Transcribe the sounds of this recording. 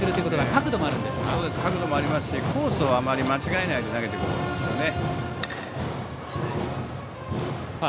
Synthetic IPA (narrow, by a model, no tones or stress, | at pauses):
ɨɾɯt̪ːoi̟kotoɡakakɯ̟d̪o̞moaɾɯ̟̃nd̪e̞sɨ̥kao̞ːd̪e̞sɨ̥kakɯ̟d̪o̞mo̞aɾʲimasɨ̥ɕikʰo̞ːso̞ːβaamaɾʲimat͡ɕiɡae̞naid̪e̞naɡe̞t̪e̞kɯɾɯnã̰nd̪esɨjone